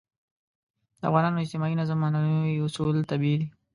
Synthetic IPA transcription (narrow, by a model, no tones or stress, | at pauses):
d̪əa̰vɣɑnɑnoɪzt̪ɪmɑinazamɑnawiʊsult̪abiid̪i